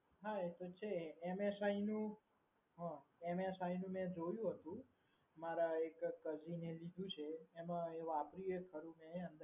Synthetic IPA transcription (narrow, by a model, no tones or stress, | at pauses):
ɦaet̪ot͡ʃʰeːmesainũ | ɦə̃emesainũmɛ̃d͡ʒojũɦət̪ũ | maɾaekːəd͡ʒinelid̪ʱũt͡ʃʰeːmãeʋapɾiekʰəɾũmɛ̃ənd̪